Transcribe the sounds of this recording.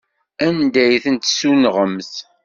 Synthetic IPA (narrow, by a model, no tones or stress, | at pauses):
ænd̪æjθənt̪sunʁəmθ